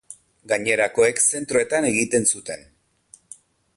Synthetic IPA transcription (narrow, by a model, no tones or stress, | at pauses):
ɡaɲe̞ɾako̞ekse̞nt̪ɾo̞e̞t̪ane̞ɣit̪e̞nsut̪e̞n